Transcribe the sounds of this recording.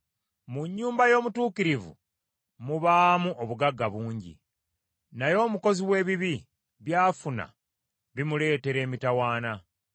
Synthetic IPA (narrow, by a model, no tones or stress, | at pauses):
muɲːuːmbajo̞ːmutuːkiɾivṵ | muβaːmuʔoβuɡaɡːaβuːɲɟḭ | najo̞ːmuko̞ziwe̞ːβiβi | βjaːfuna̰ | βimule̞ːte̞ɾe̞ːmitawaːna